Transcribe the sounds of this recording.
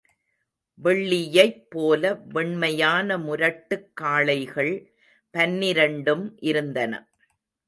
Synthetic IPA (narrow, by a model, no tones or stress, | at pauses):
ʋɛɭːɪjɐɪpːoːlɐʋɛɳmɐjaːnɐmʊɾɐʈːɯkːaːɭɐɪɣɐɭ | pɐnːɪɾɐɳɖɯmʔɪɾɯnd̪ɐnɐ̰